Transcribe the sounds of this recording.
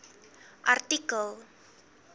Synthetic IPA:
ʔart̪ikəl

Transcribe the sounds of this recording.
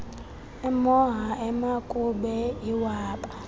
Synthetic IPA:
ɛmɔɦaɛmakʼubɛiwaːɓʼa

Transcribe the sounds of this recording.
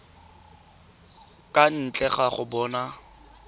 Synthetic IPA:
kʼan̩t͡ɬʼɛχaχʊbɔːna

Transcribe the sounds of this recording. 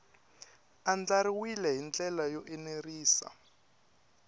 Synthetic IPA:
and͡ɮaɾiwilɛɦint͡ɬʼɛlajɔʔɛneriːsa̰

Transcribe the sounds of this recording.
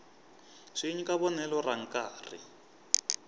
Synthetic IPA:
ʂiɲikaβɔnɛlɔraŋ̩kaːrḭ

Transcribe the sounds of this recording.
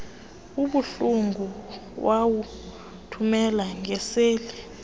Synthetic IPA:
uɓuɬuŋɡʱuwawu | tʰumɛlaŋʱɛseːli

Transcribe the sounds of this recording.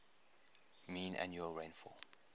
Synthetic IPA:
mĩːnʔa̰njuəlɹẽɪ̃nfɔ̰

